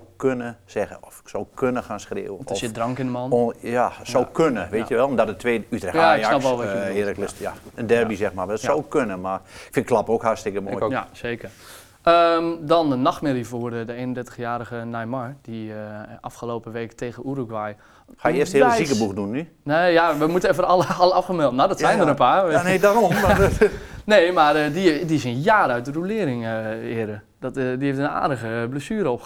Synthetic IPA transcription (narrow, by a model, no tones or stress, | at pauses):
kønəsɛɣə̰nɔfsowkønəxaːnskrɪ̰ːəwənɔsjɪdrɔŋkɪndəmɔnjasowkʰønəʋeːtjəʋɛlˠɔmdɔtdətʰʋeːytrɛxjasnɑpʋɔlˠʋɪələklsjaəndɛrbisɛxmaʋɛlˠsowkønəmarɪkfɪ̃nklˠapokhastɪkəmo̰seːkər | əmdɔnənɔxtmɪlifoːrədəeːnəndɛrtəxjaːɾəɣənajmɔɹd̥iʔɑfχəloːpəʋeːktʰeɣəuɾukʋaj | xajɪəstɪsikəbukdunːy | nejaʋəmutəɛfərɔləɑləɑfχəmɛlˠtənadɔtssɛjndəɾəpaːnedaɾɔm | neːmarədidiɪsinjaːɾœɥt̚dərulɪːɾɪŋəɪədə | dɔtdieftəna̰ːdəɣəbləsyːɾəɔp